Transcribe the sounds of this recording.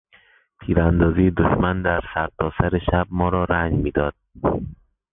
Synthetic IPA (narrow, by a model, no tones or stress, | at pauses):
pʰiːɾænd̪ɒːziːjed̪oʃmænd̪æɾsæɾt̪ʰɒːsæɾeʃæb̚mɒːɾɒːɾæɲd͡ʒmiːd̪ɒːd̪̥̚